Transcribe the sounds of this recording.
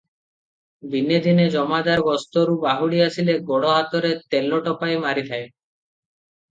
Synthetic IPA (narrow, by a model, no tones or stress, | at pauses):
bined̪ʱined͡ʒɔmad̪aɾɡɔst̪oɾubaɦuɽiasileɡɔɽɔɦat̪ɔɾet̪elːoʈɔpaemaɾit̪ʰae